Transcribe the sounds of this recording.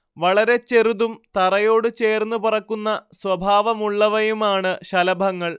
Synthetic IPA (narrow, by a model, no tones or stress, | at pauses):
ʋɐɭɐɾe̞t͡ɕe̞ruðumt̪ɐrɐjo̞ːɽɨt͡ɕe̞ːrnːupurɐkːunːɐswɐbʱaːʋɐmuɭːɐʋɐjumaːɳɨɕɐlɐbʱɐŋːɐɭ